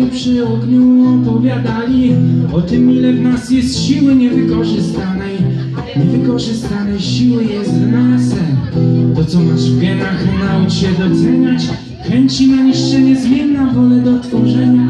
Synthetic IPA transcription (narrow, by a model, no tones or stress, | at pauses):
pʂɘɔɡɲuɔpɔvʲjad̪alʲiɔt̪ɘmilɛvnasjɛst̪ɕiwɘɲɛvɘkɔʐɘst̪anɛj | ɲɛvɘkɔʐɘst̪anɛjɕiwɘjɛst̪vnasɛmt̪ɔt̪sɔmaʐvʲjɛnaɣɛnawt͡ɕɕɛd̪ɔt̪sɛɲat͡ɕ | xɛɲt͡ɕinaɲiʂt͡ʂɛɲɛzmʲjɛnːavɔlɛd̪ɔt̪fɔʐɛɲa